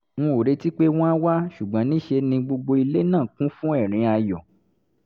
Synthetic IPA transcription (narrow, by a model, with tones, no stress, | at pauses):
w̃ɔ̃˧o˨ɾe˦ti˦k͡pe˦w̃ɔ̃˦a˦wa˦ʃu˨ɡ͡bã˨˦nĩ˦ʃe˧nĩ˧ɡ͡bo˧ɡ͡bo˧i˧le˦nãː˦˨kũ˦fũ˦ɛ˦˨ɾ̃ĩ˨˧a˧jɔ˨